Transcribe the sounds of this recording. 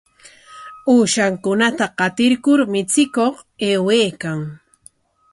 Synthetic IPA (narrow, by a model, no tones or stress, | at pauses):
uːʃaŋkʊnat̪aqɑt̪ɪɾkʊɾmɪt͡sɪkoχeːweːkaŋ